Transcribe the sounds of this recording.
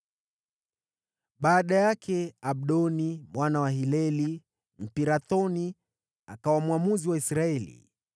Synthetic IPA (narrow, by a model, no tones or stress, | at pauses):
ɓaːɗajakʰɛaɓ̚ɗɔnimwanawaɦilɛli | m̩piɾaθɔni | akawamwamuziwaisɾaɛlḭ